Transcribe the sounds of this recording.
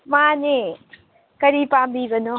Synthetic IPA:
mãːnẽ | kɐɾipãːmbiʋɐno

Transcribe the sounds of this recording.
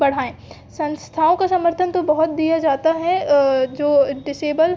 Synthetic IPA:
bɐɽ̤aːẽː | sɐ̃nst̪ʰaːõkasɐməɾt̪ʰənt̪obɐɦʊt̪̚d̪ijad͡ʒaːt̪aɦɛd͡ʒoːɖɪseːbəl

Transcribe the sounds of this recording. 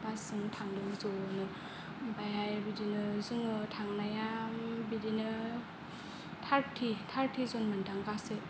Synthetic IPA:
basɯŋtʰandɯzonɯ | bajhajbidinɯzɯŋɯtʰaŋnajambidinɯ | tʰaɾtʰitʰaɾtʰizonmandaŋkase

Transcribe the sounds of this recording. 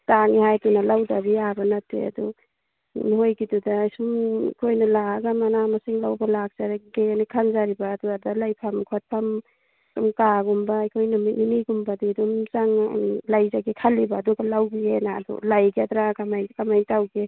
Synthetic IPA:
taŋihajtunalawdabiabanatːḛa̰dṵ | nɦojɡidudajsumḭkʰojnalaaɡamanamasiŋlawbalak̚zaɾaɡenikʰanzaɾibaːduadalajpʰamkʰot̚pʰam | sumkaɡumbaːjkʰojnamitniniɡumbadidumzaŋlajzaɡikʰalːibaːduɡalawɡiena̰dṵlajɡiad̪ɾaɡamajkamajntawɡe

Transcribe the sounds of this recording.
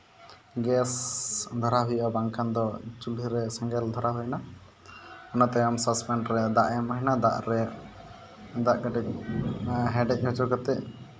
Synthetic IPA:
ɡɛsd̪ʱɔɾaɦujʔabaŋkʰand̪ɔt͡ʃuliɾɛsɛŋɡɛld̪ʱɔɾaɦujna | ɔnɔt̪ɛamsɔspɛɳɖɾɛd̪aʔjamɔɦinad̪aʔɾɛ | d̪aʔɡaʈɛk̚ | ɦɛɖɛc̚ˀhɔt͡ʃuɾkɔt̪ɛʔ

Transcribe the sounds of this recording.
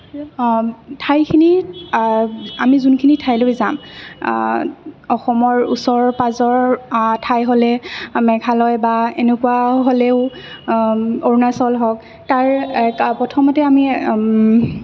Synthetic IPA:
tʰajkʰini | amizunkʰinitʰajlojzam | ɔxɔmɔɹṵsɔɹpazɔɹtʰajɦolɛmɛɡʱalɔjbaenekuwaɦolɛʊ | oɹnasɔlɦɔk | taɹpɔtʰɔmatɛami

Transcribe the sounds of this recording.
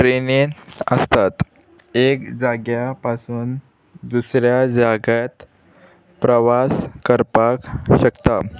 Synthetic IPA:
ʈɾeniəst̪at̪ | ekd͡zaɡjapasuːn | d̪usɾjad͡zaɡat̪ | pɾəʋaskəɾpakɕəkt̪a

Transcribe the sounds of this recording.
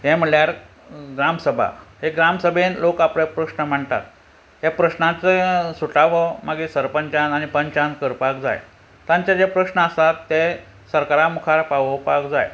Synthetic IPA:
ɦem̤əɭjaɾ | ɡɾamsəbʱa̰ɦeɡɾamsəbʱenlokapɽepɾəʂɳəm̤əɳt̪a̰t̪ | ɦepɾəɕnãt͡sesuʈaʋəmaɡisəɾpəɲt͡ɕanañipəɲt͡ɕankəɾpakd͡za̰j | t̪ãɲt͡ɕad͡zepɾəʂɳəəsat̪ːe | səɾkaɾamukʰaɾpaʋəpakd͡za̰j

